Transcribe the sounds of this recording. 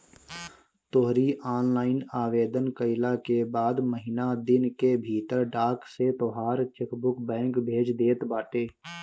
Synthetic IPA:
t̪oɦɾiʔaːnlaːɪnaːʋeːd̪ənkəɪlakebaːd̪məɦɪnad̪ɪnkebʱiːt̪əɾɖaːkset̪oːɦaːɾt͡ʃɪkbʊkbɛ̃ːŋkbʱeːd͡ʒd̪eːt̪baːʈeː

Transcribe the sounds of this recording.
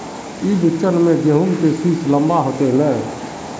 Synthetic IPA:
ibɪt͡ʃənmẽd͡ʒ̪eɦumkesiːsləmbaɦoːt̪enɛ̃

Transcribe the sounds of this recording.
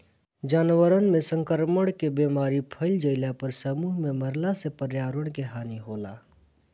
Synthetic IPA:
d͡ʒaːnwəɾənmẽsə̃ŋkəɾməɽ̃kebeːmaːɾipʰəɪld͡ʒəɪlapəɾsəmuːɦmẽməɾlasepəɾjaːɾəɽ̃keɦaːniɦoːla̰ː

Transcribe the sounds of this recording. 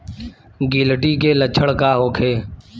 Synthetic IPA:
ɡɪlʈiːkeːlət͡ʃʰəɽkaːɦoːkʰeː

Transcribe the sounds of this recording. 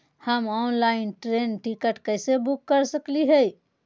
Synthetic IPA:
həmɔnlaɪnʈɾenʈikəʈkəjsebukːəɾsəkliɦəj

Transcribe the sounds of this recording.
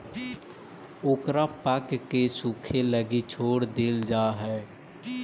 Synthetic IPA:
oːkɾapəkkːesukʰeləɡit͡ʃʰoːɽd̪eːld͡ʒaɦɛ

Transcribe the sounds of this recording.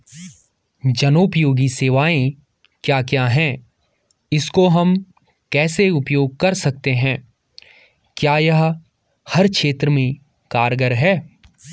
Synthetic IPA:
d͡ʒɐnoːpjoːɡiseːʋaːẽ | kjaːkjaːɦɛ̃ | ɪskoɦɐm | kɛːseʊpjoːɡ̚kɐɾsɐk̚t̪eɦɛ̃ː | kjaːjɐɦ | hɐɾkʃeːt̪ɾəmẽ | kaːɾɡəɾɦɛː

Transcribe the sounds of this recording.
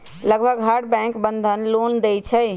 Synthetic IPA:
ləɡbʱəɡɦaɖbɛ̃ŋkbənd̪ʱənlond̪ɛjt͡ʃʰəj

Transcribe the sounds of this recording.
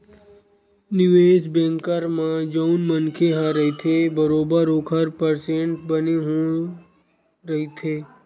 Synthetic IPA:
nɪʋeːd͡ʒbẽːŋkəɾmãd͡ʒənmənkʰeɦaɾɐɦit̪ʰebəɾoːbəɾoːkʰəɾpəɾsẽɳʈbəneɦõ | ɾɐɦit̪ʰeː

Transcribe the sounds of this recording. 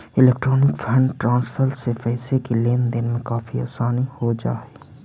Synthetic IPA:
ɪleːkʈɾɔːnɪkfʰə̃ɳɖʈɾãːnsfəɾsepɛːsekileːnd̪ɪnmẽkaːfia̰ːsaːnihod͡ʒa̰ːeː

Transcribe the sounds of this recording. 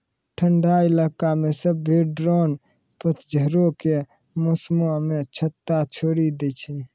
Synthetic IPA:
ʈʰəɳɖailakamesəbːʱeɖɾon | pət̪d͡ʒʱəɾoke | mosmamet͡ʃʰət̪ːat͡ʃʰoɽid̪et͡ʃʰi

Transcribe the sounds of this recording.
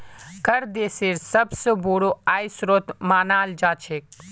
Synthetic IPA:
kɐɾd̪eːseːɾsɐbsəboːɽoaːjsɾoːt̪maːnaːld͡ʒaːt͡ʃʰeːk

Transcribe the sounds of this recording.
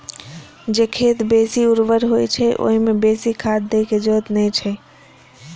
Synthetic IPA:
d͡ʒekʰet̪besiuɾʋəɾɦojt͡ʃʰɛʔo̰ɦimebesikʰad̪̚d̪ekʰed͡ʒɔt̪nɛt͡ʃʰɛ

